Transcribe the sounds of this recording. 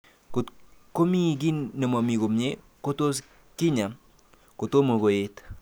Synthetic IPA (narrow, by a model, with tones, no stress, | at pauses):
kko˦mi˦ɡi˦nːe˨mo˨mi˨ɡo˨mɲe˦ | ko˦to˦s | ki˦ɲa˨m | ko˨to˦mo˨ɡo˨je˨t